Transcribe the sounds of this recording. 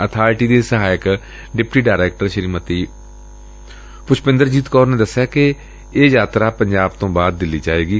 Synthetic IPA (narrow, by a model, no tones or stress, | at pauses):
ət̪ʰaːʈiːd̪eːsəɦaːɪk | ɖɪpʈiːɖaːɾɛːk̚ʈəɾʃəɾiːmət̪iː | pʊt͡ʃʰpɪ̃nd̪əɾd͡ʒiːt̪kɔːɾnẽːd̪əsːjaːke | eːzaːt̪ɾaːpəɲd͡ʒaːb̚t̪õːbaːd̪̚ːɪliːd͡ʒaːeːɡiː